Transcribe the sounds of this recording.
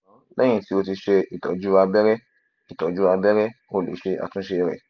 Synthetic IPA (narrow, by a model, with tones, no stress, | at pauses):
lɛ˦j̃ĩ˧˨ti˦o˧ti˧ʃe˧i˨tɔ̰˨˦d͡ʒu˦a˧bɛ˦ɾɛ˦ | i˨tɔ˨d͡ʒu˦a˧bɛ˦ɾɛ˦o˧˨lḛ˨˦ʃe˧a̰˨tũ˦ʃe˧ɾɛ̰˨